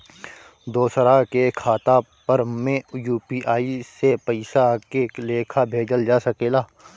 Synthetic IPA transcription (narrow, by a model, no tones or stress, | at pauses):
d̪oːsəɾakekʰaːt̪a | pɐɾmẽjuːpiːʔaːisepɐɪsakeleːkʰabʱeːd͡ʒəld͡ʒaːsɐkeːlaː